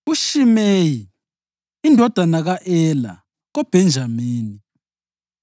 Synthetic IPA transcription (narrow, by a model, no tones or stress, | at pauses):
uʃimeji | indʱɔd̥ʱanaɣaʔɛla̰ | ɣɔb̥ʱɛnd͡ʒʱameːni